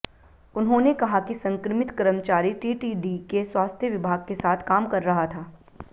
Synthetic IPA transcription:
ʊnɦõnekɐɦakisɐ̃ŋkɾəmɪt̪kɐɾəmt͡ʃaːɾiʈiːʈiːɖikeswaːst̪ʰjəʋɪbʱaːɡ̚kesaːt̪ʰkaːmkɐɾːɐɦat̪ʰaː

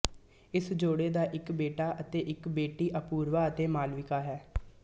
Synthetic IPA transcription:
ɪsd͡ʒoːɽeːd̪aːʔɪkbeːʈaːʔət̪eːʔɪkbeːʈiːʔəpuːɾʋaːət̪eːmaːlʋɪkaːɦɛː

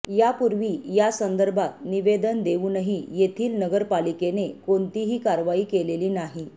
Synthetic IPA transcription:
japuɾʋiːjasənd̪əɾbʱat̪niʋed̪ənd̪eʋuːnəɦijet̪ʰiːlnəɡəɾpalikenekont̪iɦiːkaɾʋaiːkeleliːnaɦi

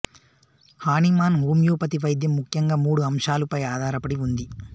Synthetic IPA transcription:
haːnimaːnɦuːmjuːpɐt̪iʋɐjd̪jɐmːukʰjɐŋɡaːmuːɽuɐmʂaːlupɐjaːd̪ʱaːɾɐpɐɽiund̪i

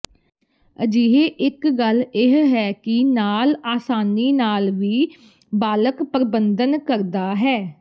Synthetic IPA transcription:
əd͡ʒiːɦeːʔɪkɡəlɪɦɦɛːkɪnaːlaːsaːniːnaːlʋiː | baːləkpəɾəbənd̪ənkəɾd̪aːɦɛː

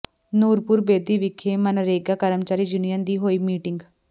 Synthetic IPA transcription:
nuːɾpʊɾbeːd̪iːʋɪkʰeːmənɾeːɡaːkəɾəmt͡ʃaːɾiːd͡ʒʊnijãːnd̪iːɦoːiːmiːʈɪŋɡ

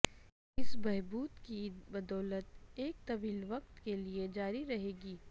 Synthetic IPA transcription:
ɪsbɛɦbuːt̪kibɐd̪ɔːlət̪eːk̚t̪ɐʋiːlʋɐq̚t̪kelied͡ʒaːɾiɾɐɦeːɡiː

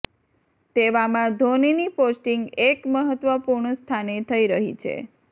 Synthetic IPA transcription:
t̪eʋamãd̪ʱoniniposʈiŋɡekməɦət̪ʋəpuɾɳəst̪ʰanet̪ʰəiɾəɦḭt͡ʃʰḛ

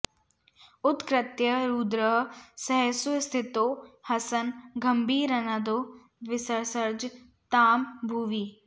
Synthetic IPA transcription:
ʊt̪kɾɪt̪jəɾuːd̪ɾəɦsəɦəsust̪ʰɪt̪oːhɐsənɡəmbʱiːɾənad̪oː | ʋɪsəɾsəɾd͡ʒ | t̪aːmbʱuːʋiː

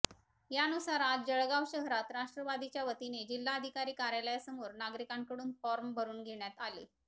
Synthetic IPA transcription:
jaənusaɾatd͡ʑəɭɡaʋɕəɦɾat̪ɾaʂʈɾəʋad̪it͡ɕjaʋət̪ined͡ʑilːaəd̪ʱikaɾiːkaɾjaljasəmoɾnaɡɾikãŋkəɽuːnfɔɾmbʱəɾuːnɡʱeɳjat̪ale

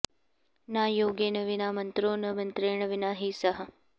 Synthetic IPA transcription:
naːjoːɡeːnɐʋinaːmɐnt̪ɾoːnɐʋɐnt̪ɾeːɳɐʋɪnaːɦiːsɐɦɐ̆

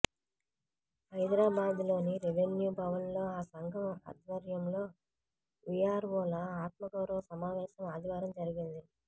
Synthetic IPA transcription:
hɐjd̪ɾaːbaːd̪ilo̞ːniɾiʋenjubɐʋɐnlo̞ːaːsɐŋɡʱɐmɐ̰d̪ʋɐɾjɐmlo̞ː | ʋijaːɾʋɔːlɐaːt̪̚mɐkɐɾɐʋsɐmaːʋɛːʃɐmaːd̪iʋaːɾɐmd͡ʒɐɾiɡind̪i

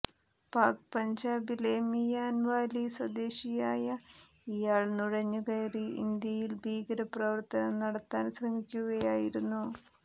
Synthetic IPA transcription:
paːk̚pɐɲd͡ʑaːbilemijaːnʋaːliswɐd̪eːɕijaːjɐ | ijaːɭnuɻɐɲːukɐjriḭnd̪jɐjilbʱiːɡɐɾɐprɐʋɐrt̪ɐnɐmnɐɽɐt̪ːaːnɕrɐmikʲːuɣɐjaːjiɾunːu

